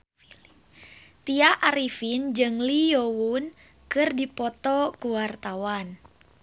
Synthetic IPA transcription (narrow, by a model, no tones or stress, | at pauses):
t̪iaʔaɾifind͡ʒɨŋlijowun | kɨrdipɔt̪ɔkuwart̪awan